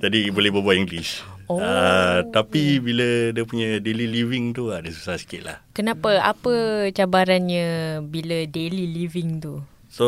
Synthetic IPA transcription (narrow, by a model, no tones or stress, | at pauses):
d͡ʒadibolɛbəbuat̪iŋɡlis | oət̪apibilədiəpuɲə̃deliliviŋt̪uadəsu̥sasi̥kɪʔ̪̚la̰hkənãpəa̰pət͡ʃabaɾanɲə̃bilədeliliviŋt̪u | so